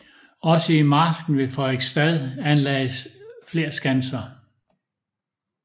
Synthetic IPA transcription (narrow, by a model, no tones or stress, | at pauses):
ɒ̽səimɑ̈ːsɡ̥n̩ʋe̝fɒeɡ̥sd̥æðˠænlɛːɪəsfle̝ːɐ̰sɡ̥ænsɐ